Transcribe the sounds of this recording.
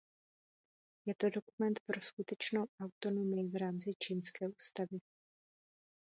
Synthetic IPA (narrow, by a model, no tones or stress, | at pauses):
jɛt̪o̞do̞kumɛnt̪pɾo̞skut̪ɛt͡ʃnowʔawt̪o̞nomɪvɾaːmt͡sɪt͡ʃinskɛːʔuːst̪avɪ